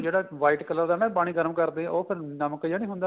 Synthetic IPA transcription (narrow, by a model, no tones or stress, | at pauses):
d͡ʒeːɽaːʋaːiːʈkələɾd̪aːnãːpaːɽ̃ĩːɡəɾəmkəɾd̪eːɛ̃ʔoːpʰɪɾnəməkjaːnĩːɦʊ̃nd̪aː